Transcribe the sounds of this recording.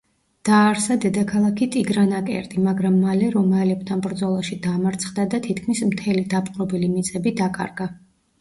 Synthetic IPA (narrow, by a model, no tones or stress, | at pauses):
d̪̥aːɾsad̪ɛd̪akʰalˠakʰit̪ʼiɡɾanakʼɛ̰ɾd̪ʼimaɡɾamːalɛɾɔmaɛlɛb̚t̪ʰanbɾd̪zɔlˠaʃid̪amaɾt̪sʰχd̪ad̪at̪ʰit̪ʰkʰmismt̪ʰɛlid̪apʼqʼɾɔbilimit̪sʼɛbid̪akʼa̰ɾɡa